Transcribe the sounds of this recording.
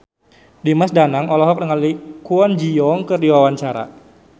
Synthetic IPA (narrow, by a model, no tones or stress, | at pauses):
dimasdanaŋɔlɔɦɔk̚dəŋallikuɔnd͡ʒiɔŋkərdiwawaɲt͡ʃaɾa̰